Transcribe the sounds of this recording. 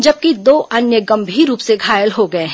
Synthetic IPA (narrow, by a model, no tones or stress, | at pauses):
d͡ʒɐb̚kid̪oːʔɐnjəɡɐ̃mbʱiːɾːuːpseɡʱaːjəlɦoɡɐeɦ